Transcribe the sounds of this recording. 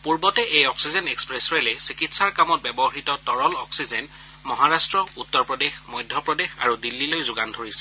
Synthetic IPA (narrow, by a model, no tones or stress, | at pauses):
puɹbɔtɛʔejɔksizɛnekspɹesɹɛlɛsikitsaɹkamɔt̚bɛbɔɦitɔtɔɹɔlɔksizɛn | mɔɦaɹastɹɔutːɔɹpɹɔdexmɔjdʱjɔpɹɔdexa̰ɹudilːilojzʊɡandʱoɹisɛ̥